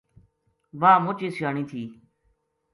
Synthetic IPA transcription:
ʋaːmoːt͡ʃiːsjaːɳĩːt̪ʰiː

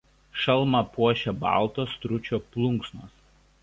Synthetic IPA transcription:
ʃɐlˠˑmɐpuɔʃʲɛbɑ̰ˑlˠt̪oːst̪ɾʊt͡ʃʲoːplˠʊŋksnoːs

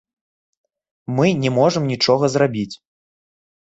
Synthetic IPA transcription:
mɨnʲɛmɔʐɨmnʲit͡ʂɔɣɐzrabʲit͡sʲ

